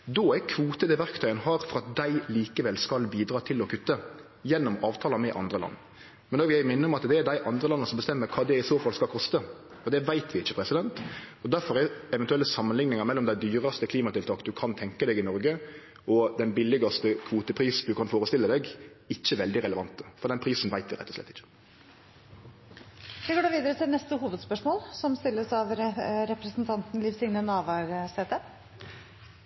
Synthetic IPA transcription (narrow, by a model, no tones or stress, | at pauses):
d̪oːækʰʋuːt̪əd̪ɛʋæɾkt̪ʰœʏənɦɑːɾfɔɾɑt̪̚d̪æɪliːkəʋɛlskɑlbiːd̪ɾɑːt̪ʰɪlɔkʰʉt̪ːə | jɛnːɔmɑːʋt̪ʰɑːlɑmɛʔɑ̰nd̪ɾəlɑ̰nː | mɛnd̪oːʋɪjæɪmɪnːəɔmɑt̪d̪ɛæɖd̪æɪʔɑnd̪ɾəlɑnːəsɔmbəst̪ɛmːəɾkʰɑːd̪ɛɪsoːfɑlskɑlkʰɔst̪ə | ɔd̪ɛʋæɪt̪ʰʋɪɪçːəpʰɾɛsɪd̪ɛnt̪ɔd̪æɾfɔɾɛɛʋɛnt̪ʉɛlːəsɑmːənlɪŋnɪŋɑɾmɛlːɔmd̪æɪd̪yːɾɑst̪əkʰliːmɑt̪ɪlt̪ɑːkd̪ʉkʰɑnt̪ʰɛŋkəd̪ɛɡɪnɔɾɡə | ɔd̪ɛnbɪlːɪɡɑst̪əkʰʋuːt̪əpʰɾiːsd̪ʉkʰɑnfoːɾəst̪ɪlːəd̪ɛɡ | ɪçːəʋɛld̪ɪɾɛləʋɑnt̪əfɔɾd̪ɛnpʰɾiːsn̩ʋæɪt̪ʋɪɾɛ̰t̪ːɔsʂlɛ̰t̪ːɪçːə̥ | ʋɪɡoːɖʉʋiːd̪əɾət̪ʰɪlnɛst̪əɦuːʋəd̪spœʂmoːlsɔmst̪ɪlːəsɑʋɾɛpɾəsnt̪ʰɑnt̪n̩lɪʋsɪŋnənɑːʋɑɾseːt̪ə